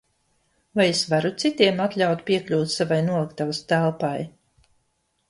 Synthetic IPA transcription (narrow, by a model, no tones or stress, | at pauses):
vajesvaɾut̪sit̪iɛmat̪lʲawt̪pʲiɛklʲuːt̪savajnuɔlˠɨkt̪avast̪ælˠpaj